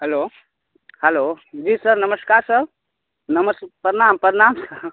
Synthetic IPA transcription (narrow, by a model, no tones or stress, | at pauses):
ɦɛlo | həlod͡ʒisəɾnəməskaːɾsə | nəməspəɾnampəɾnamsə